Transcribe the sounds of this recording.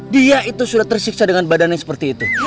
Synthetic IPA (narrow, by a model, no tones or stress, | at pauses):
diaʔit̪usudaht̪ərsik̚sadəŋanbadanjasə̥pərt̪iːt̪u